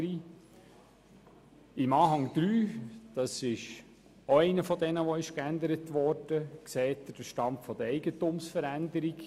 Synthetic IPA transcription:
ɾi | ɪmɑːɦɑŋd̥̪ɾyːd̥ɑsɪʃ | oɛɪnəfɔdɛnəʋoɪʃkænd̪əɾətʋɔɾd̥əksɛːt̚ːəd̥əʃtɑmpfɔd̪əɾɛɪɡətumsfəɾænd̪əɾiɡ

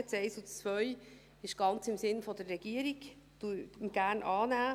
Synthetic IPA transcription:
t͡sɛɪsʊt͡svʋœʏ | ɪʃɡ̥ɑnt͡sɪmsɪnfɔd̪ərːɛɡ̥iəɾiɡ̥ | t̪uməɡ̥æːrnʔɑːnæː

